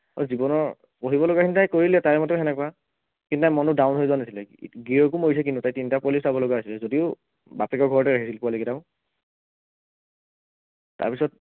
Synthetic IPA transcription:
ɔ̰zibɔnɔɹ | poɦibɔlɔɡakintajkoɹilɛtaɹɛmɔtɛɛnɛkɔa | kintutajmɔnʊdawnɦojzɔanasilɛɡiɹɔk̬umoɹis̬ɛk̬intutajtintapolisabɔlɔɡaasilɛzodiʊ | batɛkɔɡʱɔɹɔtɛɹaɦisilpualoɡitaʊ̃ | ta̰ɹpisɔt̚

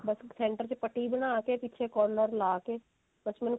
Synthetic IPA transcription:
bɐssẽːɳʈəɾt͡ʃepəʈːibənaːkepiːt͡ʃʰekɔːɾnɔɾlaːke | bət͡ʃmən

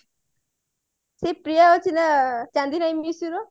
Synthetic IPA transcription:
sepɾijaot͡sʰinat͡sãnd̪inajmisuɾo

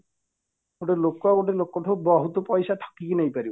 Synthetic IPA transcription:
oʈelokːɔaoʈelokːɔʈʰɔbɔɦut̪ɔpɔjsaʈʰḁkikinejpaɾibɔ

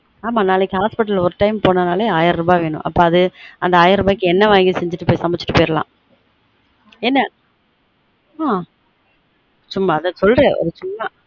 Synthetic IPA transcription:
aːmanːaːlɪkːɯhaːspɪʈːɐlɔɾɯʈɐɪmpoːnɐnaːleːaːjɪɾɾɯbaːʋeːɳʊ̰̃ʔɐpːoːɐðɯɐnd̪ɐaːjɪɾɾɯbaːɪkːɯɛnːɐʋaːŋɡisɛɲd͡ʒɪʈːɯpoːjsɐmbɛt͡ʃːɪ̥ʈːɯ̥pɔːjɪɾɐlã̰ː | ɛnːɐ | aː | t͡ʃʊmːaːðɐsɔlɾeːɔ̰ɾɯt͡ʃʊmːɐ

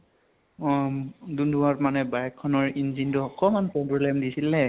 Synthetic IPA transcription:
dundʱuatmanɛbaɹɛkʰːɔnɔɹinzintuɔkɔmanpɹɔbɹɔlɛmdisilɛ

